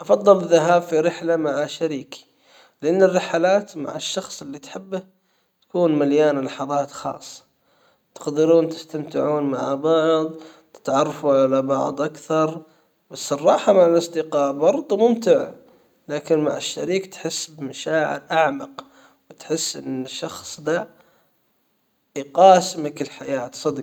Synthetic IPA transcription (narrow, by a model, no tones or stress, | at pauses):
ʔɑfɑðˤːɨlɪðːaɦaːbfiɾɪħlamaʕaʃaɾiːk | lɪʔanːɪrːɪħalaːt̪ma̰ʕaʃːɑxsˤɪlːit̪ħɪbːa | t̪ḁkuːnmaljaːnlɑħɑðˤɑːt̪xɑ̰ːsˤːɑ̥ | t̪ɪ̥qd̪ɪɾuːnt̪ɪ̥st̪amt̪ɪʕuːnma̰ʕbɑʕðˤ | t̪ɪ̥t̪ʕɑrˤːɑfuʕalabɑ̰ʕd̪ˤʔakθɑɾˤ | basːɑrˤːɑːħamaʕalɑsˤd̪ɪqɑːʔbɑɾˤd̪ˤmʊmt̪ɪʕ | laːkɪnma̰ʕaʃːa̰ɾiːkt̪ħɪsːbmaʃaːʕɪ̰ɾʔaʕmɑq | wɪt̪ħɪsːʔɪ̰nːʃːɑxsˤd̪aʕ | qɑːsmakɪlħajaːt̪sˤɑd̪